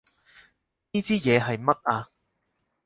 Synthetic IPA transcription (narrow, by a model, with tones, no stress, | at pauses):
niː˥t͡siː˥jɛː˨˧ɦɐ˨jmɐ˥t̚aː˧